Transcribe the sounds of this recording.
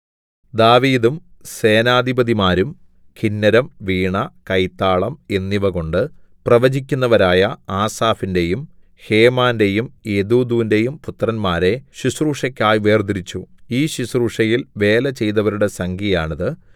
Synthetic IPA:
d̪aːʋiːd̪umse̞ːnaːd̪ʱibɐðimaːɾum | kʰinːɐɾɐmʋiːɳɐkɐjt̪ːaːɭɐme̞nːiʋɐɣo̞ɳɖɨprɐʋɐd͡ʑik̬ʲːunːɐʋɐɾaːjɐaːsaːfinde̞jum | he̞ːmaːnde̞jumed̪uːd̪uːinde̞jumput̪rɐnmaːɾe̞ɕisruːʂɐkʲːaːjʋe̞ːrd̪iɾit͡ɕːuiːɕisruːʂɐjilʋe̞ːlɐt͡ɕe̞jt̪ɐʋɐɾuɽe̞sɐŋɡijaːɳɐðɨ

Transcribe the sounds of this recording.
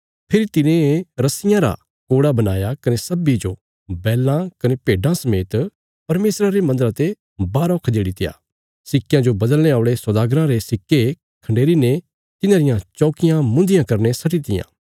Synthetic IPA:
pʰɪɾit̪ɪnẽɾɐsɪjãɾa̰ | koːɽabɐnaːjakɐnesɐbid͡ʒo | bɛːlãkɐnepeːɖãsɐmeːt̪ | pɐɾmeːsɾaɾemɐ̃nd̪əɾat̪e | baːɾɔːkʰd̪eːɽit̪ɪja̰ː | sɪkːɪjãd͡ʒobɐd̪əlñeaːʊɽesɐd̪aːɡɾãɾesɪkːe | kʰɐ̃ɳɖeːɾine | t̪ɪnãːɾɪjãt͡ʃɔːkɪjãmʊ̃nd̪ɪjãkɐɾnesɐʈit̪ɪjã̰ː

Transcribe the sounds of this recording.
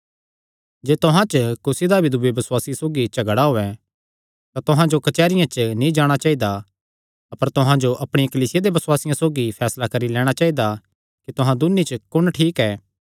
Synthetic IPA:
d͡ʒeːt̪ʊɦãt͡ʃkʊsid̪abʱɪd̪ʊbebɐsʊwaːsisoːɡit͡ʃɐɡəɽaɦoːɛ | t̪at̪ʊɦãd͡ʒokɐt͡ʃɛːɾɪjãt͡ʃnĩd͡ʒaːɽ̃at͡ʃaːid̪a | ɐpəɾt̪ʊɦãd͡ʒoʔɐpɽ̃ijãkɐliːsɪjad̪ebɐswaːsɪjãsoːɡipʰɛːslakɐɾilɛːɽ̃at͡ʃaːid̪a | kit̪ʊɦãd̪ʊnːit͡ʃkʊɽ̃ʈʰiːkɛː

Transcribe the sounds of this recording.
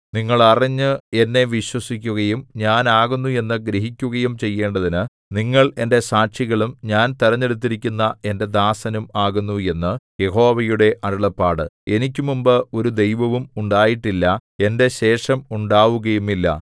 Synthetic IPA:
niŋːɐɭɐrɐɲːɨe̞nːe̞ʋiɕwɐsikʲːuɣɐjumɲaːnaːɣunːue̞nːɨɡɾeɦikʲːuɣɐjumt͡ɕe̞jːe̞ːɳɖɐðinɨ | niŋːɐɭe̞nde̞saːʈʂiɣɐɭumɲaːnt̪iɾɐɲːe̞ɽut̪̬ːiɾikʲːunːɐe̞nde̞d̪aːsɐnumaːɣunːue̞nːɨje̞ho̞ːʋɐjuɽe̞ʔɐɽɐɭɐpːaːɽɨe̞nikʲːumumbɨo̞ɾud̪e̞jʋɐʋumuɳɖaːjiʈːilːɐe̞nde̞ɕe̞ːʂɐmuɳɖaːʋuɣɐjumilːɐ̰

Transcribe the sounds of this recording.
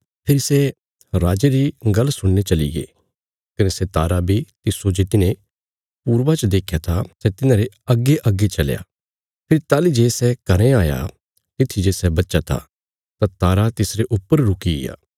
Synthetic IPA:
pʰɪɾsɛ | ɾaːd͡ʒeɾiɡɐlːsʊɽnet͡ʃɐlḭɡḛː | kɐnesɛt̪aːɾabʱit̪ɪsod͡ʒeːt̪ɪnẽ | puːɾʋat͡ʃəd̪eːkʰjat̪ʰasɛt̪ɪnãɾe | ɐɡːeʔɐɡːet͡ʃɐlja̰ː | pʰɪɾt̪aːlid͡ʒeːsɛkɐɾẽaːja̰ | t̪ɪt̪ʰid͡ʒeːsɛbɐtːʃat̪ʰa̰ | t̪ãt̪aːɾat̪ɪsɾeʔʊpːəɾɾʊkiɪ̰ja̰ː

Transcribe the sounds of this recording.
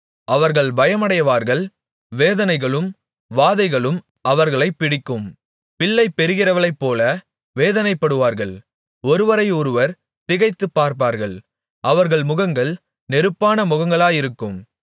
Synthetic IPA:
ɐʋɐɾɣɐɭbɐjɐmɐɽɐjɐʋaːɾɣɐɭ | ʋeːðɐnɐɪɣɐɭɯm | ʋaːðɐɪɣɐɭɯm | ʔɐʋɐɾɣɐɭɐɪpːɪɽɪkːɯm | pɪːɐɪpɛɾɯɣɪrɐʋɐɭɐɪpːoːlɐ | ʋeːðɐnɐɪpːɐɽɯʋaːɾɣɐɭ | ɔɾɯʋɐɾɐɪɔɾɯʋɐɾ | t̪ɪɣɐɪt̪ːɯpːaːɾp̬aːɾɣɐɭ | ʔɐʋɐɾɣɐɭmʊɣɐŋɡɐɭ | nɛɾɯpːaːnɐmʊɣɐŋɡɐɭaːjɪɾɯkːɯm

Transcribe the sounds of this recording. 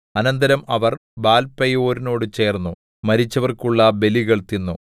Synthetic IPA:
ɐnɐnd̪ɐɾɐmɐʋɐrbaːlpɐjoːɾino̞ːɽɨt͡ɕe̞ːrnːu | mɐɾit͡ɕːɐʋɐrkuɭːɐbe̞liɣɐɭt̪inːu

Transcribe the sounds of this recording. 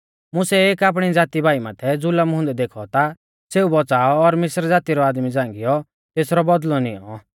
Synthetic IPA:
mʊ̃sɛeːkaːp̬ɽ̃id͡zaːt̪ibʱaːimaːt̪ʰɛd͡zʊləmɦʊ̃nd̪ɛd̪eːkʰɔt̪a | seːubɔt͡saːɔːɾmɪsɾd͡zaːt̪iɾɔaːd̪mid͡zãːŋɡɪjɔ | t̪eːsɾɔbɔd̪lɔnḭɔ̰̃

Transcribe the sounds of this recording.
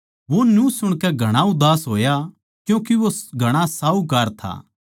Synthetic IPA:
ʋonjũsʊɽ̃kɛɡʱɐɽ̃aʊd̪aːsɦoːja | kjũːkiʋoɡʱɐɽ̃asaːukɐɾt̪ʰa̰ː

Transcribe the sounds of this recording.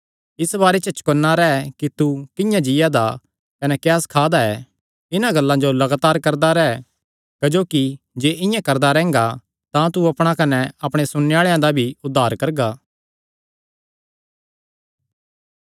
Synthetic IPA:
ɪsbaːɾɛt͡ʃət͡ʃkonːaɾɛɛkit̪ukɪ̃jãd͡ʒɪjad̪a | kɐnɛkjaːskʰaːd̪aɛ | ɪnãɡɐlːãd͡ʒolɐɡaːt̪aːɾkɐɾd̪aɾɛɛ | kɐd͡ʒoːki | d͡ʒeːʔɪ̃jãkɐɾd̪aɾɛ̃ːŋ̆ɡa | t̪ãt̪uɐpɽ̃akɐnɛɐpɽ̃esʊneaːɭejãd̪abʱiʊd̪ʱːaːɾkɐɾɡaː

